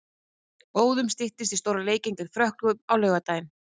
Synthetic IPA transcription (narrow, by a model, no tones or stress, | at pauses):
oːwðʏmst̪ɪht̪ɪst̪ist̪owɾaleːjcɪnt̪ɪɾ̥fɾœhklʏmawlœːɥɣat̪aːjn